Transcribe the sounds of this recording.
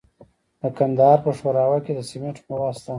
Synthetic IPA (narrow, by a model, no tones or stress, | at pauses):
d̪əkand̪ɑɾpəʂwaɾɑwaked̪əsimeʈmawɑst̪a